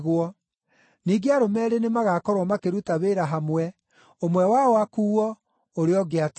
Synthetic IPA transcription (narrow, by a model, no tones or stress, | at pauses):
ɣwɔ | niːɡeaɾomɛɾenemaɣakɔɾwɔmakeɾutaβeɾaɦamwɛ | omwɛwaɔakuːɔ | oɾeɔɡeat